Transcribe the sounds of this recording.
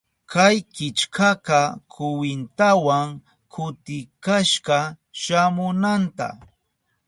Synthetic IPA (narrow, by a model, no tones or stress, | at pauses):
kʰajkɪt͡ʃkʰaqɑkʰʊwɪnt̪awaŋ | kʰʊt̪ɪkaʃɢɑ | ʃamʊnant̪a̰